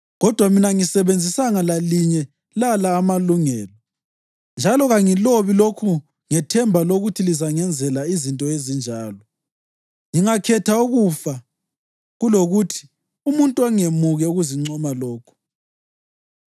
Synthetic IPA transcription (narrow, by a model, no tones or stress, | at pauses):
ɣɔd̥ʱwaminaŋisɛβend͡zʱisaŋalaliɲɛ | lalaːmaluŋɛːlɔ | nd͡ʒʱalɔɣaŋiloβilokʰu | ŋɛtʰɛmbʱaloɣutʰilizaŋɛnd͡zʱɛlaizintʼɔezind͡ʒʱaːlɔ | ŋiŋakʰɛtʰauɣufa | ɣuloɣutʰi̥ | umuntʼuaŋemuɣɛuɣuziŋ͡ǀɔmalɔːkʰɔ̥